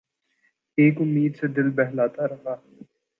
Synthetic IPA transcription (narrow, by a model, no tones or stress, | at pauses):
eːkʊmːiːd̪sed̪ɪlbɛɦlaːt̪aɾɐɦaː